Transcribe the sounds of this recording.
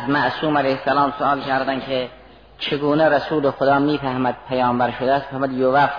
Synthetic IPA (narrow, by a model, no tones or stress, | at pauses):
zmæʔsuːmælejhsælɑːmsoɑːlkʰæɾd̪ænkʰe | t͡ʃʰeɡuːneɾæsuːlexod̪ɒːmiːfæhmæd̪̥̚pʰæjɒːmbæɾʃod̪ææst̪mfæhmud̪jovæf